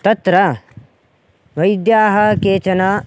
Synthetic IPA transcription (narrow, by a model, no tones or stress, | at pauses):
t̪ɐt̪ɾɐ | ʋɐjd̪jaːɦɐkeːt͡ʃɐna